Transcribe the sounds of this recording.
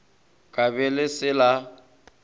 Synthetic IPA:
kʼaβɛlɪsɪla

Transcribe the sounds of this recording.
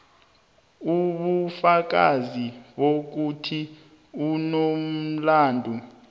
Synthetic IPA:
uɓufak̬aziɓok̬utʰi | unom̩laːndʱu

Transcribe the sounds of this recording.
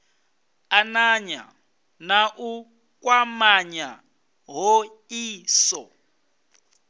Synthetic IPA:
anaɲa̰ | naʔu | kʼwamaɲa | ɦɔ | iːsɔ

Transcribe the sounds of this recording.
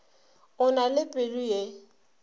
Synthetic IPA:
ʊnalɪpʼeluje

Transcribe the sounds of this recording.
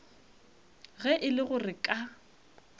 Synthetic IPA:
ɣɛʔɪlɪɣʊrɪkʼa

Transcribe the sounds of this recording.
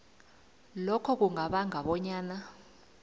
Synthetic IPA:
lɔkʰɔk̬uŋaɓaŋaɓɔɲaːna

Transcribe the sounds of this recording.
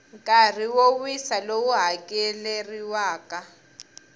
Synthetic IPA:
ŋkʼar̤iwowwisalowuɦakʼɛleriwaːka

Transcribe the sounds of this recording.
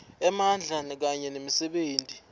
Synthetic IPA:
ɛmand͡ɮʱanɛk̬aɲɛnemisɛɓeːntʼi

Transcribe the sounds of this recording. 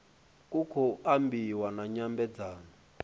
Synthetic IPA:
kʼukʰɔambiwanaɲambɛd͡zaːnɔ

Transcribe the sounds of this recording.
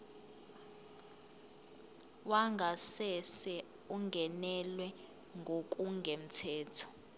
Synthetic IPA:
waŋɡʱasɛsɛ | uŋɡʱɛnɛlwɛ | ŋɡʱokʼuŋɡʱem̩tʰɛːtʰɔ̥

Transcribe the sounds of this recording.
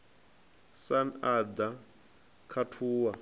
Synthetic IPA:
sanad̪a | kʰatʰuːwa

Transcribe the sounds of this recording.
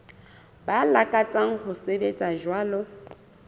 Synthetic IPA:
balakʼat͡sʼaŋ̩hʊsebet͡sʼaʒwaːlɔ

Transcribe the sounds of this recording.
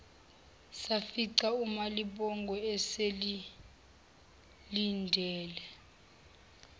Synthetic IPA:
safiǀaumaliɓɔŋɡʱɔɛseli | lindʱɛːlɛ

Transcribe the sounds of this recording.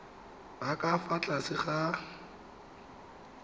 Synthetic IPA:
bakʼafat͡ɬʼasɪχa

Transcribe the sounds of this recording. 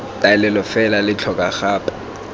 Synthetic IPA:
tʼaɛlɛlɔfɛlalɪt͡ɬʰɔkʼaxaːpʰʼḁ

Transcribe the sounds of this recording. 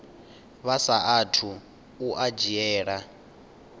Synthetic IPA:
βasaatʰu | uʔad͡ʒiɛːɺa

